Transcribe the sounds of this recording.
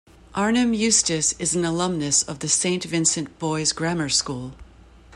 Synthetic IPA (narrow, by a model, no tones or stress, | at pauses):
ʔɑɹnɨ̃mjʉstɨsɨzn̩əlʌ̃mnɨsʌvðɨsẽɪ̃ntvɪ̃nsɨ̃nb̥ɔɪzɡɹæmə˞skulˠ